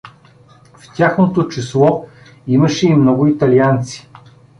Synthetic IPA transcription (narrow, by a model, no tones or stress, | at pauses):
ft̪ʲaxnot̪ot͡ʃislˠɔ | iməʃɛimnɔɡʊit̪ɐliant̪si̥